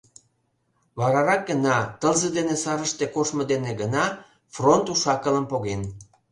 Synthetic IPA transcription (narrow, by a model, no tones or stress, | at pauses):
βɑɾɑɾɑk̚ɡənɑt̪əlzəd̪enesɑɾəʃt̪ekoʃməd̪eneɡənɑ | front̪uʃɑkələmpoɣen